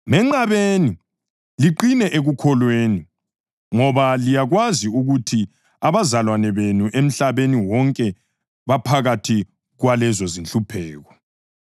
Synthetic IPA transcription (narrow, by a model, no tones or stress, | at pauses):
mɛŋ͡ǀaβeni | liǃinɛʔeɣukʰɔlweni | ŋɔβalijaɣwaziuɣutʰi | aβazalwanɛβenuʔem̩ɬaβeniwɔŋkʼɛ | βapʰaɣatʰi | ɣwalɛzɔzinɬupʰɛːɣɔ